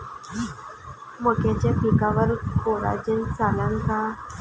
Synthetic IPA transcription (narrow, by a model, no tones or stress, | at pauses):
məkat͡ɕjapikaʋəɾkoɾa̰d͡ʑint͡salaŋka